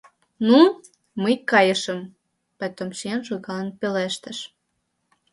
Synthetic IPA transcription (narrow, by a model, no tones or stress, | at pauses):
nu | məjkɑjəʃə̆m | pɑt̪omʃienʒoɣɑlənpeleʃt̪ə̆ʃ